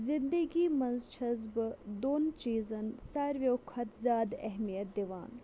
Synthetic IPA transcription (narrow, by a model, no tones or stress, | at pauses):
zɪ̃nd̪əɡiːmɐnzt͡ʃʰɐzbd̪oːnt͡ʃiːzɐnsaːɾʋjoːkʰɐt̪zʲaːd̪ɛ̰ɦmijɐt̪̚d̪eʋa̰ːn